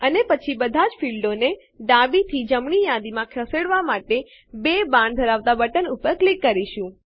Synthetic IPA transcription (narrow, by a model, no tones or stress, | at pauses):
ənepət͡ʃʰibəd̪ʱad͡ʒfilɖone | ɖabit̪ʰid͡ʒəmɳijad̪imãkʰəseɽʋamaʈe | bebãɳɖd̪ʱəɾaʋt̪abəʈənupəɾklikːəɾiʃũ